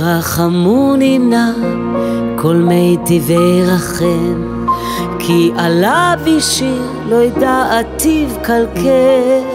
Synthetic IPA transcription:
ʁaχamunina | kʰolmejt̪ivejʁaχem | kʰiʔalabiʃi | lojd̪aat̪ivkalkʰe

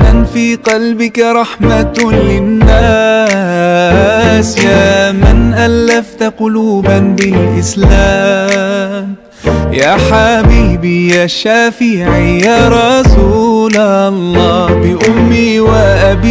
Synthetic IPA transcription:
anfiːqɑlbɪkaɾˤɑħmalɪnːaː | sjaːmanʔalːaft̪aqʊluːbanbɪlʔɪslaː | m | jaːħabiːbijaːʃaːfiːʕiːjaːɾˤɑsuːlalˤːɑːbɪʔʊmːiːwaʔabiː

